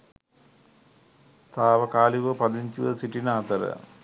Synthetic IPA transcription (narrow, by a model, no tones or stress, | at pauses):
t̪aːʋɐkaːliʋɐpɐd̪iɲd͡ʑuʋɐsiʈːinaːt̪ɐɾɐ̰